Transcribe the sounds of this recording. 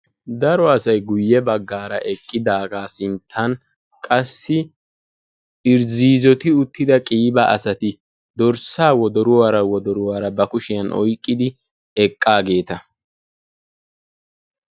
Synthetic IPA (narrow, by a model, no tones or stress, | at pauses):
d̪ɐɾɔɐsɐjɡʊjːɛbɐɡːaːɾɐ̰ʔɛkʼːɪd̪aːɡaːsɪnt̪ʰːɐn | kʼɐsːɪ | ɪɾziːzɔt̪ɪʊt̪ːɪd̪ɐkʼiːbɐɐ̰sɐt̪ɪ | d̪ɔɾsaːwɔd̪ɔɾʊwaːɾɐwɔd̪ɔɾʊwaːɾɐbɐkʊʃɪjɐnʔɔ̰jkʼːɪd̪ɪ | ɛkʼːaːɡe̞ːt̪ɐ